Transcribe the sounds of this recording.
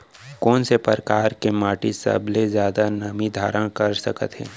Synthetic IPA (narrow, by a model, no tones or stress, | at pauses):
kɔːnsepəɾkaːɾkemaːʈisɐ̰blezjaːd̪anɐmid̪ʱaːɾəɽ̃kɐɾsəkə̰t̪ɦɛ̰ː